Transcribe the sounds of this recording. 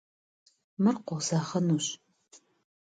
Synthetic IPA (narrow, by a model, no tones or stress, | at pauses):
mɨrqʷɔzaːχɐnuːɕʼ